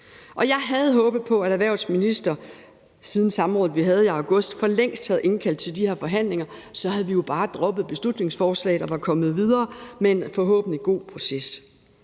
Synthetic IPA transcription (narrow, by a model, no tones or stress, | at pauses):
ʔɒ̽jɑ̈ɪɦæð̞̩ˠɦɔ̽ːb̥ð̞̩ˠpʰɒ̽æɾæʋæɐ̰sminisd̥ɐ | siðˠn̩sɑ̈mʁɔ̽ːð̩ˠʋiɦæð̞̩ˠiɑ̈ʊɡ̥ɔ̽sd̥fɒ̽leŋ̰sd̥hæð̞̩ˠʔe̝nkʰæl̰dt͡sʰe̝ld̥ihe̝ɐfɒ̽ɦæn̰le̝ŋɐsɒ̽hæðˠʋijo̝b̥ɑ̈ːd̥ʁɒ̽b̥ð̩ˠb̥e̝slud̥ne̝ŋsfɒːslɛ̰ɪdɒʋɑ̈kʰɒ̽mð̞̩ˠʋið̞ˠɐːmeenfɒɦɔ̰ːb̥ən̩iɡ̥o̝̰ːpʰʁo̝ses